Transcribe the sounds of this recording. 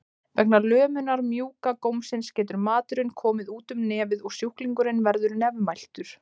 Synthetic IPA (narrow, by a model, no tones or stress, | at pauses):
vɛk̚nalœːmʏnaɾmjuːkakowmsɪnscɛːt̪̬ʏɾmaːt̪ʏɾɪnkʰɔːmɪðuːt̪ʏmnɛːvɪðɔɣsjuhkliŋkʏɾɪnvɛɾðʏɾnɛvmːajl̥t̪ʏɾ̥